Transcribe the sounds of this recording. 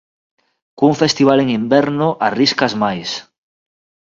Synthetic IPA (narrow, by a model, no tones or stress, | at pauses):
kuɱfest̪iβ̞aleŋimbeɾnoʔariskazmajs